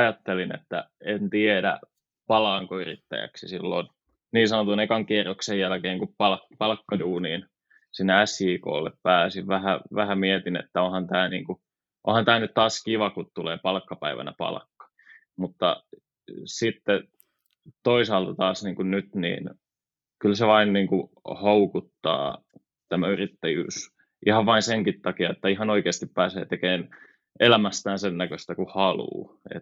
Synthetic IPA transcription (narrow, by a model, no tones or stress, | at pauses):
ɑjɑt̪ːelinḛt̪ːæ̰ent̪iedæ̰ | pɑlɑːŋkoyrḭt̪ːæ̰jæ̰ksisilːo̰n | niːnsɑnot̪unekɑŋkierːoksejjælkeːŋkuppɑlkpɑlkːɑduːniːn | sinːeæsjiːko̰ːlːḛppæːsiʋʋæhæʋæhæmiet̪inḛt̪ːæonhɑnt̪æːnḭːŋku | ʔo̰nhɑnt̪æːnyt̪t̪ɑːskiʋɑkut̪t̪ulḛːpɑlkːɑpæiʋæ̰næpɑ̰lkːɑ̥ | mut̪ːɑ̰ | sit̪ːe | t̪oisɑːlt̪ɑt̪ɑːsniːŋkunnyt̪nḭːn | kylseʋɑinniːŋku | houkut̪ːɑ̰ː | t̪æmæyrit̪ːæjy̰ːs | ʔihɑʋʋɑinseŋkit̪ːɑkiɑet̪ːæiɦɑnoikeːst̪ippæːsḛːt̪ekeːn | elæmæst̪æːnsennækøst̪ækuhɑlṵːḛt̪ː